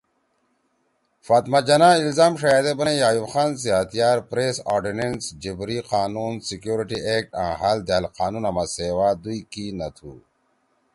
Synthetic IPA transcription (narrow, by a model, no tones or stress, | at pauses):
faːt̪mad͡ʑɐnailzaːmʂajaːd̪ebɐnejaːjubxaːns̬iaːt̪ijaːɾpɾesa̰ɾɖinensd͡ʑibɾiqaːnunsikjuːɾiʈiʔek̚ʈã̰ːɦald̪ealqaːnunɐmaseːwaːd̪uikinɐt̪ʰṵ